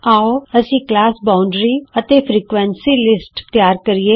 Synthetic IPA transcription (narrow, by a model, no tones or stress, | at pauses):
aːoːəsĩːklaːsbaːʊɳɖɾiːət̪eːpʰɾiːkʋɛ̃nsiːlɪsʈt̪jaːɾkəɾieː